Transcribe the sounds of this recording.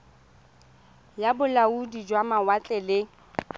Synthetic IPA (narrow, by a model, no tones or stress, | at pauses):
jabʊlaudid͡ʒwamawat͡ɬʼɛlɪ